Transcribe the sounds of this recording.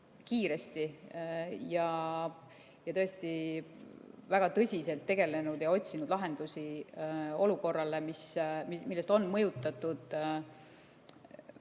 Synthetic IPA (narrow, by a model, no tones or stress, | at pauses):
kiːɾe̞st̪i | jɑ | jɑt̪ɤ̞est̪i | væɡ̥ɑt̪ɤsʲise̞lt̪ːe̞ɡ̥e̞le̞nud̪̥jɑo̞t̪ʲsinud̪̥lɑɦe̞nd̪̥usi | o̞luko̞rːɑle̞mismmilːe̞st̪o̞nːmɤjut̪ːˑɑt̪ːˑud̪̥